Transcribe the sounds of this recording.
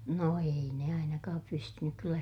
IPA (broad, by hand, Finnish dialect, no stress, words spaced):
no ei ne ɑinɑkɑːp pystynyk kylːæ